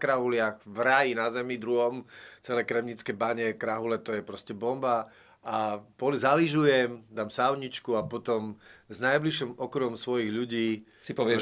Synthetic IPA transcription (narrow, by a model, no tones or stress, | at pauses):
kɾaɦulɪaɣʋɾajinazɛmid̪ɾuɦɔmt͡sɛlɛjkɾɛmɲit͡skɛbaɲɛkɾaɦulɛt̪ɔjɛpɾɔscɛbɔmba | apɔlizaliʒujɛmd̪aːmsaʊɲit͡ʃkuapɔt̪ɔmznajbliʃɔmɔkɾuɦɔmsʋɔjiɣʎuɟiː | sipɔʋɪɛ